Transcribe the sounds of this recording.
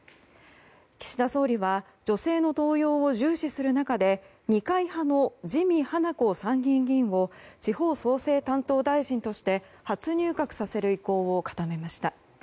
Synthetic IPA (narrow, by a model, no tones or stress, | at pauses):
kʲi̥ɕid̪aso̞ːɾʲiβa | d͡ʑo̞se̞ːno̞t̪o̞ːjo̞ːoʑɨːɕisɨɾɯ̟nakad̪e̞ | ɲ̟ikaihano̞ʑimʲihanako̞sãŋɡʲĩŋɡʲĩɰ̃βo̞t͡ɕiho̞ːso̞ːse̞ːt̪ãnt̪oːd̪aiʑĩnt̪o̞ɕi̥t̪e̞ | hat͡sɨɲ̟ɨːkakɯ̟̥sase̞ɾɯ̟iko̞ːokḁt̪ame̞maɕi̥t̪a